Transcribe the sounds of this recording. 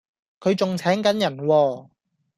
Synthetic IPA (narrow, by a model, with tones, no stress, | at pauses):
kʰɵ˨˧ɥt͡sʊ˨ŋt͡sʰɛː˨˥ŋkɐ˨˥njɐ˨˩nwɔː˧